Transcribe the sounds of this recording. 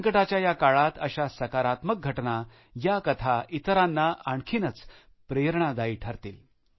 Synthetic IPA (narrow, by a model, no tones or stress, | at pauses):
əŋkəʈat͡ɕjajakaɭat̪əɕasəkaɾat̪mək̚ɡʱəʈna | jakət̪ʰaʔit̪ɾanːaaɳkʰiːnət͡s | pɾeɾɳ̃ad̪aiʈʰaɾt̪iːl